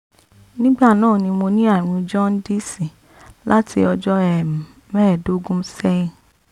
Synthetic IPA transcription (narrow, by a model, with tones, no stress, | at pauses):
nĩ˦ɡ͡ba˦˨nãː˦˨nĩ˧mo˧nĩ˦a˦˨ɾ̃ũ˧d͡ʒɔ̃˦n˦di˦˨si˨ | la˦tʰḭ˧ɔ˧d͡ʒɔ˦ɛ˨ | mɛ˦ɛ˨do˦ɡũ˦sɛ˦i˨